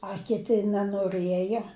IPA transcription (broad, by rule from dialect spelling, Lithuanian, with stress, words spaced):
ɐ kʲɪˈtʲɪ nʲɛnoːˈrɘjoː